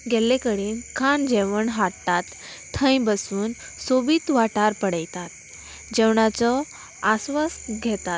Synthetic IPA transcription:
ɡʱɛlẽkəɽiːnkʰand͡ʑɛʋəɳɦaɽt̪at̪ʰː | ə̃jbəsuːn | sobiːt̪ʋaʈaɾpəɽəjt̪at̪̚ | d͡ʑɛʋɳat͡sɔ | asʋasɡʱɛt̪at̪

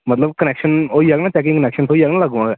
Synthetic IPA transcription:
mət̪ləbkənɛːkʃənoːiaːɡnaːt͡ʃɛːk̬ɪ̃ŋkənɛːkʃənt̪ʰoːiaːɡnãːləɡõãːɡɛː

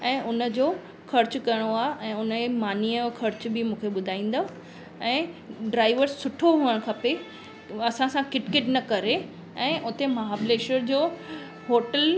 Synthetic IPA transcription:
ɛ̃ːʔʊnə̆d͡ʑoː | xʰɐɾt͡ɕʊkɐəɽ̃oaːʔɛ̃ːʊnəemaːniəkʰɐɾt͡ɕbɪmũːkʰeɓʊd̪ʱaːĩːn̆d̪o | ɛ̃ːɖɾaːɪʋəɾsːʊʈʰoɦuːəɽ̃kʰɐpe | ɐsãsãkɪʈkeʈnɐkɐɾe | ɛ̃ːʔʊt̪emɐɦaːbleːʃəɾd͡ʑoː | ɦoːʈəl

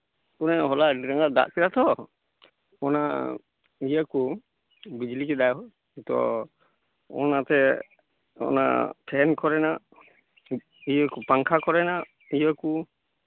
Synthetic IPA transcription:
kunɛɦɔlaɖiɾaŋad̪a̰ʔkɛɾat̪ɔ | ɔna | ijəku | bid͡ʒlikɛd̪ajɔ | t̪ɔ̰ | ɔ̰nat̪ɛ | ɔ̰na̰pʰɛnkɔɾɛnaʔ | ijəkupaŋkʰakɔɾɛnaʔ | ijəku

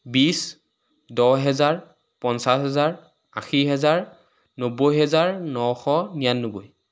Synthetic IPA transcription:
bis | dɔɦɛzaɹ | pɔnsasɦɛzaɹ | a̰xiɦɛzaɹ | nobojɦɛzaɹnɔxɔnijanːoboj

